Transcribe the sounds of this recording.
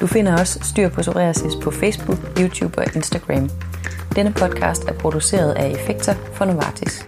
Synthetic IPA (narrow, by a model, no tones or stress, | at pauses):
d̥ufe̝nɐɒ̽sːd̥y̰ːɐ̰pʰɔsoʁḛːɐsispʰɒ̽feɪsb̥uɡ̥juːt͡sʰjṵːb̥ɒ̽ʔe̝nsd̥æɡ̥ʁæm | d̥enəpʰɒ̽d̥̚kʰɑ̰̈ːsd̥æɐpʰʁo̝d̥use̝̰ːɐð̞ˠæe̝feɡ̥̚d̥ʰɐfɒ̽noɑ̰̈ːt͡sʰis